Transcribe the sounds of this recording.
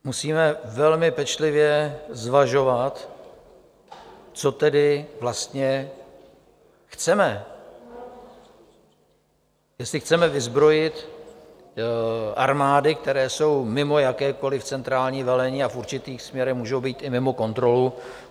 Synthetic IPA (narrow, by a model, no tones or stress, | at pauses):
musiːmɛvɛlmɪpɛt͡ʃlɪvjɛzvaʒo̞vat̪ | t͡so̞t̪ɛdɪvlast̪ɲɛ | xt͡sɛmɛ | jɛstlɪxt͡sɛmɛvɪzbɾo̞jɪt̪ | ʔa̰ɾmaːdɪk̚t̪ɛɾɛːso̞wmɪmo̞jakɛːko̞lɪft͡sɛnt̪ɾaːlɲiːvɛlɛɲiːafʔuɾt͡ʃɪt̪iːxsmɲɛɾɛxmuːʒowbiːt̪ɪmɪmo̞ko̞nt̪ɾo̞lu